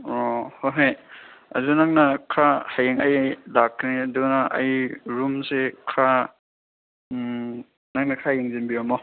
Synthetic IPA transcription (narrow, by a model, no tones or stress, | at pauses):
ohoɦajɐ̰zunaŋnɐkʰahajeŋɐjlakʰːniɐdunɐʔɐ̰jɾumsekʰa | naŋnakʰajeŋzinbiamɔ